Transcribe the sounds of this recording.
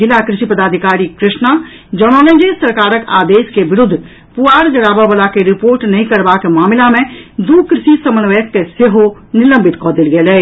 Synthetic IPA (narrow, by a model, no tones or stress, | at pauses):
ɪlakɾɪʃipəd̪aːd̪ʱɪkaːɾikɾɪʃna | d͡ʒɔɽ̃ɔːnẽd͡ʒesɐɾkaːɾəka̰ːd̪eːʃkeʋɪɾʊd̪ʱː | puaːɾd͡ʒɐɽaːbabəlakeɾɪpoːɾʈnɐɦĩkɐɾbakemaːmɪlamẽd̪uːkɾɪʃisɐmənʋəjəkːeseɦonɪlə̃mbɪt̪kɔːd̪ɪlɡelɛː